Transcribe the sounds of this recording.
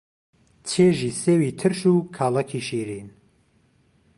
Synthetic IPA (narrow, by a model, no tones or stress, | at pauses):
t͡ʃʰeːʒiːseːwiːt̪ʰɨɾʃuːkʰaːlɐkʰiːʃiːɾiːn